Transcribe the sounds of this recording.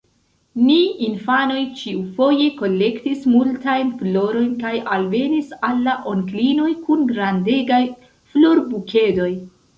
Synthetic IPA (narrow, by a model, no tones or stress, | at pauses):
niinfano̞jt͡ʃiufo̞je̞ko̞lːe̞ktismultajnflo̞ɾo̞jnkajalve̞nisalːaʔoŋklino̞jkunɡɾande̞ɡaj | floɾbukʰe̞do̞j